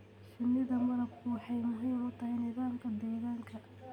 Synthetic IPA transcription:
ʃɪnːɪðɐmɐɾɐbkʰʊwɑħɑjmʊɦiːmʊt̪ʰɐhɐjnɪðaːmkʰɐd̪ɛːɣaːŋkʰɐ

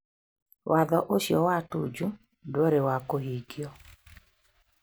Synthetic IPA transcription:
wʔaðɔʔoʃjɔwatud͡ʒu | dwɔɾewakoɦiɡjɔ

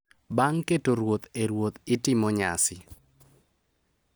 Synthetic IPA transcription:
baŋketoɾwot̪eɾwot̪ɪtɪmɔɲa̰sɪ

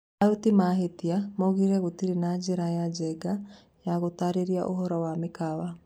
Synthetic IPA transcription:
ajotimaɦetiamɔɣiɾɛɣotiɾenad͡ʒeɾajad͡ʒɛɡa | jaɣotaɾeɾiaʔoɦɔɾɔwamekawa

